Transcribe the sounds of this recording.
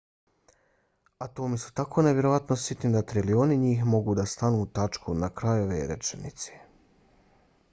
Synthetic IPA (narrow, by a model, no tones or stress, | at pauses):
at̪oːmisu̥t̪akʰo̞neʋje̞ɾo̞ʋat̪nosjet̪nid̪at̪ɾilio̞niɲiːxmo̞ɡud̪ast̪anuːt̪at͡ʃkunakɾajoʋeɾḛt͡ʃḛnḭt̪se̥